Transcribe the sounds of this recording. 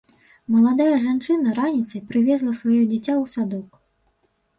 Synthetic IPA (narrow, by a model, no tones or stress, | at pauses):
mɐlˠad̪ajɐʐant͡ʂɨnɐɾanʲit̪sɐjpɾɨvʲɛzlˠɐsvajɔd͡zʲit͡sʲawsad̪ɔk